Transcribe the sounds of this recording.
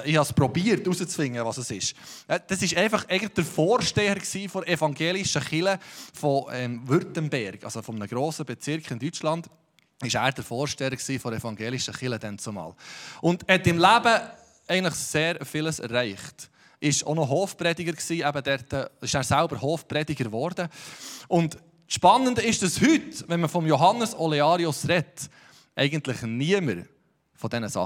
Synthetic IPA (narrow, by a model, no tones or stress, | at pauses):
ɪhɑspɾɔbiːəɾtusət͡sfɪŋːəʋɑsəsɪʃɛd̥ɑsɪʃɛɪfɑχɛɪɡəntlχd̥əɾfɔːɾʃtɛəɾksiːfɔɾɛfɑŋɡeːlɪʃəχɪləfɔɛmʋʏɾtənbɛɾɡ̥ɑ̰sofɔmənəɡ̥ɾoːsəbɛt͡sɪɾkχɪndyt͡ʃlɑnd̥̪ | ɪʃæːɾd̥̪əɾfoːɾʃtɛəɾksiːfɔɛfɑŋɡeːlɪʃəχɪləd̥̪ɛnt͡somɑ̰ːlʊnd̥hɛt̪ɪmlæbə | ɛɪɡənləχseːɾfɪləsɛ̰ɾrːɛɪχt | ʔɪʃo̰nɔɦoːfpɾɛdɪɡəɾksiːæbədɛɾtəɪʃæːɾsælbəɾhoːfpɾɛdɪɡəɾʋɔɾdəʔʊnd | ʃpɑnːəndəɪʃd̥ɑshʏtʋɛnməfɔmjɔɦɑnːəsɔlɛɑɾiʊsɾɛt | ʔɛɪɡəntlɪχniəməɾ | fɔdɛnəsɑ̰